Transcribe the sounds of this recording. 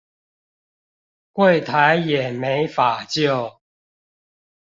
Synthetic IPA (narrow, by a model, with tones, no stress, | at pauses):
kwe˥˨ɪt̪ʰa˨˦ɪjɛ˨˩me˨˦ɪfa˨˩t͡ɕjo˥˨ʊ